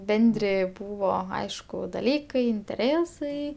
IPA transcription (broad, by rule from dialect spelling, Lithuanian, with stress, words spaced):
ˈbʲɛnʲdʲrʲɪ ˈbuːʋoː ˈɐɪʃkʊ dɐˈlʲiːkɐɪ ɪnʲtʲɛˈrʲeːsɐɪ